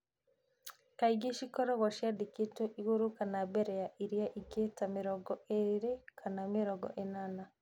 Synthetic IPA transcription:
kaiɡiʃikɔɾɔɣaʃjadikitoʔiɣuɾukanabeɾejaʔiɾijaʔiɡetamiɾɔɡɔeɾekʰanamiɾɔɡɔ̰ʔenana

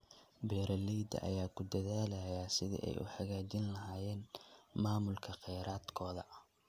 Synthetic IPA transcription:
bɛːɾɐlɛjd̪ɐ̰ʔɐ̰jaːkʰʊd̪ɐðaːlɐjaːsɪðḭʔɛ̰jʔʊ̰ħɑɣaːt͡ʃɪnlɐɦaːjɛːnmaːmʊlkʰɐqɛjɾaːd̪kʰɔːðɐ

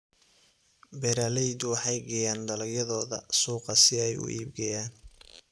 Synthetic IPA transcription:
bɛɾaːlɛjd̪ʊwɑħɑjɡɛjaːnd̪ɐlɐjɐðɔːðɐ̰suːqɐsɪɛjʊ̰ʔḭːb̚ɡɐjaːn

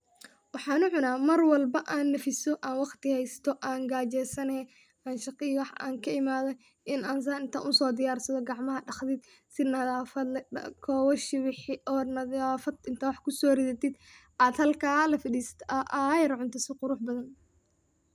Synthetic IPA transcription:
wɑħɑːnʊʕʊnaːmɐrwɐlbɐʔaːnːɐfɪsɔʔaːnwɑqt̪ɪhɛjst̪ʰɔʔaːŋɡaːt͡ʃɛːsɐnɛ | ʔaːnʃɑqɪwɑħʔa̰ːŋkʰɐɪmaːðɐ | ʔɪnaːns̬ɐɪnt̪ʰɐ̰ʔʊsɔːd̪ɪjaːrsɐðɔɡɑʕmɐɦɐɖɑχðɪd̪ | sɪnɐðaːfɐd̪kʰɔːwɔʃɪβɪħɪɔːnɐðaːfɐd̪ɪnt̪ʰawɑħkʰʊsɔːrɪðɐt̪ɪd̪ | ʔaːd̪hɐlkʰaːlɐfɪdiːst̪ʰʔɐʔajɐɾʕʊnt̪ʰɐsɔqʊɾʊħbɐðɐn

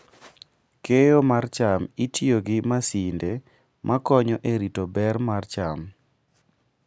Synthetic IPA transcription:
kejomart͡ʃamitʰjoɡɪmasinde | mʔakɔɲɔʔeɾitobɛrmart͡ʃam

